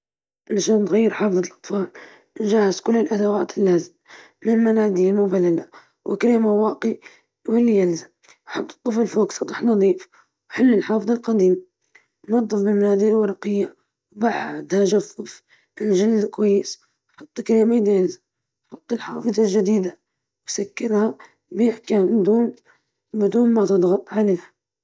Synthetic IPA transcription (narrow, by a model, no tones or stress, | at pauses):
ʔlʃant̪ɣajːɪɾħɑːfðˤɑlʔɑt̪ˤfɑːl | nʒahɪzkʊlːɪlʔad̪awaːt̪ɪlːaːzɪm | mɪmanad̪imʊbalala | wʔɪ̰kɾiːmawɑːqi | wɪlːijɪlzam | wħɑt̪ˤːɨ̥t̪ˤːəfəlfuːksɑt̪ˤɑħnɑd̪ˤiːf | wħɪlːɪlħɑːfɨðˤɑlqɑd̪iːm | nɑd̪ˤːɨfbɪmnaːd̪iːɾwɑɾˤɑqɪjːa | wbaʕd̪haʒafˤʊf | ɪlʒɪlːɪlkwajːɪs | ħɑt̪ˤːkɾeːmad̪ijalzam | ħʊt̪ˤːɪlħɑ̰ːfɨðˤɑlʒad̪iːd̪a | wsakːɪɾha | biːħkaːnd̪uːn | bɪd̪uːnmat̪ɨd̪ˤɣɑt̪ˤʕaleːhḁ